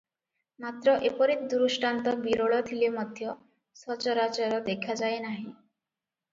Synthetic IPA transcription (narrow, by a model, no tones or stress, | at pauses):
mat̪ɾɔʔepɔɾit̪d̪uɾusʈant̪ɔbiɾoɭɔt̪ʰilemɔd̪ʱjɔ | sɔt͡ʃɔɾat͡ʃɔɾɔd̪ekʰad͡ʒajnaɦĩ